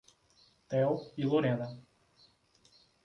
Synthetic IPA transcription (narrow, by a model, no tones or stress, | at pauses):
t̪ɛwˠilˠoɾɛna